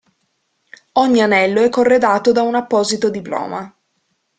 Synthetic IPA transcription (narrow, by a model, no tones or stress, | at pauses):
oɲːianɛlːoɛkːorːed̪aːt̪od̪aunapːɔːzit̪od̪iplɔ̰ːma